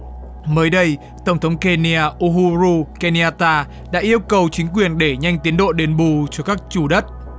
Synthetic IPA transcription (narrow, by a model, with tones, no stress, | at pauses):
məː˨˦jɗə˧j | t̪ə˧˩wŋ͡mt̪ʰə˨˦wŋ͡mke˧ni˧aː˧ʔu˧ɦu˧ɾu˧ke˧ni˧aː˧t̪aː˧ | ɗa̰ː˧˥ʔi˧əwkə˨˩wt͡ɕï˨˦ŋ̟kwi˨˩ənɗe˧˩ɲa˧jŋ̟t̪i˨˦ənɗo̰˧˨ɗe˨˩nɓu˧˩t͡ɕɔ˧kaː˦˥k̚t͡ɕu˧˩ɗə˦˥t̚